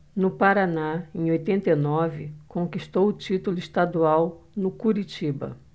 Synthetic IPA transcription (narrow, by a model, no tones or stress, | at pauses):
nʊpaɾanaẽj̃ojt̪ẽnt̪ɐenɔvɪkõkist̪owʊt͡ʃit̪ʊlʊist̪ad̪uawnʊkuɾit͡ʃibɐ̰